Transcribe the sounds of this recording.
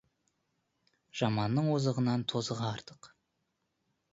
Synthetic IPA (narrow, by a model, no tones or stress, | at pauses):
ʒ̥ɑmɑnːəɴwozəʁənɑnt̪ʰo̞zəʁɑːɾt̪əq